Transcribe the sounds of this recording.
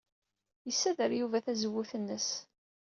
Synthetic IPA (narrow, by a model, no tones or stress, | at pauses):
jəsːæðəɾjuvæθæzəwːʊθənːəs